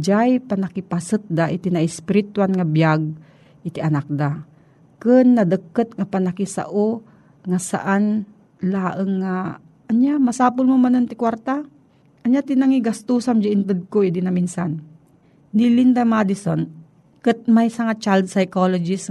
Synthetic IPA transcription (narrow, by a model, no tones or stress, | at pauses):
d͡ʒajpanakipasɨt̪̚d̪aʔɪt̪ɪnaʔɪspɪɾɪt̪wanŋabjaɡ̚ | ʔɪt̪ɪʔɐnak̚d̪a | kɨnːɐd̪əkːət̪̚ŋapanakisa̰ʔo | ŋasa̰ʔan | laːʔəŋːa | ʔːnjamasaːpʊlmomanont̪ɪkwaɾt̪a | ʔɐnjat̪ɪnaŋiɡast̪usamd͡ʒaʔɪnt̪ɨd̪̚koʔid̪ɪnɐminsanː | ilind̪amad̪ɪson | kɨt̪̚majsɐŋat͡ʃald̪̚sajkolod͡ʒɪs